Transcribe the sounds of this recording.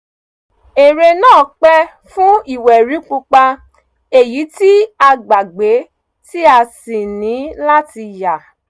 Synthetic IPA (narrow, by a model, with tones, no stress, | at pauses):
e˨ɾe˧nãː˦˨k͡pɛ˦ | fũ˦i˦˨wɛ˨ɾi˨˦k͡pu˧k͡pa˧ | e˦˨ji˨˦ti˦a˧ɡ͡ba˨ɡ͡be˨˦ | ti˦a˧si˨nĩ˨˦la˦ti˧ja˨